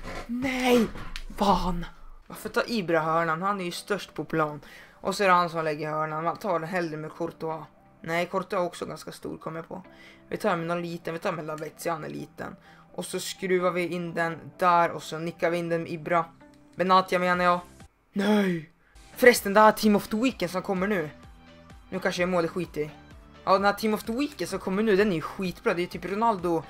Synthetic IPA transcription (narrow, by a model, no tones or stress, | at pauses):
nɛjvanvaɾfœt̪ʰɑːʔiːbɾaɦœːɳanhanæɾjɵst̪œʂʈpʰɔpʰlɑːnʔɔsːɔæɾhansɔmlɛɡːəɾhœːɳanvat̪ʰɑːɖɛnɦɛld̪ɾəɾmɛd̪kʰɔɾt̪ʊa | nɛjkʰɔɾt̪ʊaɾɔksɔɡanskast̪ṵːɾkʰɔmːəpʰɔ̰vɪ̰t̪ʰɑːɾmɛnɔnliːt̪ənvɪt̪ʰɑːɾmɛlavɛt̪sɪhanɛ̰ɭḭːt̪ə̰n | ʔɔsɔskɾʉːaɾvɪɪnd̪ɛnd̪æɾɔsɔnɪkːaɾvɪɪnd̪ɛnmʔɪbɾa | bɛnaːt̪jameːnaɾjɑː | nɛj | fɾɛst̪ənd̪ɛhætʰimɔft̪ʊwiːkːənsɔmkʰɔmːəɳʉ̟ː | nʉːkʰanʂəɛmoːlɪt̪ɧwiːt̪ɪʔɑd̪ɛnhæːʈʰimɔft̪ʊwiːkːənsɔmkʰɔmːəɳʉːd̪ɛnɛɾjɵɧiːt̪bɾɑːd̪ɛjɵt̪ʰyːpɾʊnald̪ʊ